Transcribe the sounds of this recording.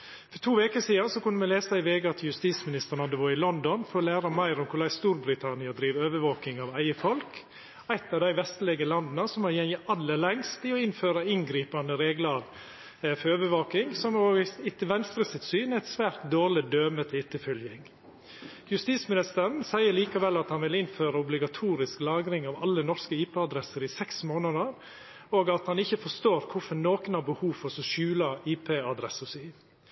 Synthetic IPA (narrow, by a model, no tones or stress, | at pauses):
fɔɾt̪ʰuːʋeːkəɾsiːd̪ɑnsɔkʉnːəmɛleːsɑɪʋeːɡəɑt̪jʉst̪iːsmɪnɪst̪əɾɳ̩ɑd̪əʋoːɪlɔnd̪ɔnfɔɾɔlæːɾɑmæɪɾɔmkʰʊɭæɪst̪uːɾbɾɪt̪ʰɑnɪɑd̪ɾiːʋøːʋəʋoːkɪŋɑʋæɪəfɔlk | æɪt̪ːɑʋd̪æɪʋɛst̪lɪɡəlɑnd̪nəsɔmɑjɛnjɪʔɑlːəlɛŋst̪ɪɔɪnføːɾɑɪnɡɾiːpɑnd̪əɾeːɡlɑɾ | føːʋəʋoːkɪŋsɔmoːɡɪt̪ːəʋɛnst̪ɾəsɪt̪syːnæɪt̪sʋæːɾt̪d̪oːɾɭɪd̪øːmət̪ʰɪt̪ːəfœljɪŋ | jʉst̪iːsmɪnɪst̪əɾn̩sæɪəɾɭiːkɑʋɛlːɑt̪hɑnʋɪlɪnføːɾɑʊblɪɡɑt̪ʰuːɾɪsklɑːɡɾɪŋɑʋɑ̰lːənɔɾskəiːpɛːɑd̪ɾɛsəɾɪsɛksmoːnɑd̪əɾ | oːɡɑt̪hɑnɪçːəfɔst̪oːɾkʰʊfɔnoːkənhɑːɾbəhuːʋfɔsɔʃʉːlɑiːpʰeːɑd̪ɾɛsəsyː